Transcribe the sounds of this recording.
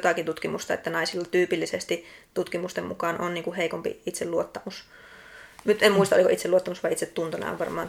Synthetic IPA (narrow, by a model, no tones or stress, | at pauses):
t̪ɑkint̪ut̪kimust̪ɑḛt̪ːænɑisilːɑt̪yːpilːisest̪it̪ut̪kimust̪emmṵkɑnʔonniːŋkuheˑikompḭit̪selluot̪ːɑmus | nyt̪emmuist̪ɑo̰iko̰ʔit̪seluot̪ːɑmusʋɑiit̪set̪t̪unt̪onɑ̰ˑo̰ʋʋɑrmɑːn